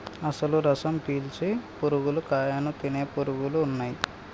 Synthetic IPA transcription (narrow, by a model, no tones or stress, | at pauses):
ɐsɐluɾɐsɐmpiːlt͡ʃipuɾuɡulukaːjanut̪ineːpuɾuɡuluːnːaːji